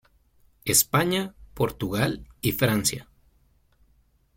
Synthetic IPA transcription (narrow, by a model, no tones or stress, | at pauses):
espaɲapo̞ɾt̪uɣalifɾansja̰